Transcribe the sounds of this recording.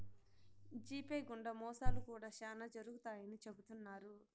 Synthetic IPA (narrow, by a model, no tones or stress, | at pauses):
d͡ʒiːpeːɡuɳɖɐmɔːsaːlukuːɽaːʃaːnɐd͡ʒɐɾuɡut̪aːjɐnit͡ʃe̞but̪unːaːɾu